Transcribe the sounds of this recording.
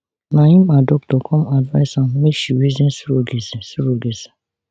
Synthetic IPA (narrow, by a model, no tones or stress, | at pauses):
nãĩmadɔk̚dɔkʰɔ̃madvaɪsãmmeʃiwizɛ̃nsuɾoɡesɛsʊɾoɡesḁ